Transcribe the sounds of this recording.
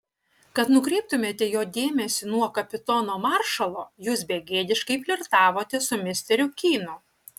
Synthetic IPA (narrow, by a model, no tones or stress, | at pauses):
kɐt̪nʊkɾʲɛɪp̚t̪ʊmʲeːt̪ʲɛjoːd̪ʲeːmʲɛsʲʊnuɔkɐpʲɪt̪ɔnoːmɑːɾʃɐlˠoːjuːsbʲeɡʲeːd̪ʲɪʃkɐɪpʲlʲɪɾt̪ɑːʋoːt̪ʲɛsʊmʲɪsʲt̪ʲɛɾʲʊkʲiːnoː